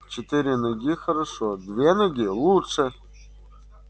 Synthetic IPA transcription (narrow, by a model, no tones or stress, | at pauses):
t͡ɕɪt̪ɨɾʲɪnɐɡʲixɐɾɐʂod̪vʲenɐɡʲilˠutʂɘ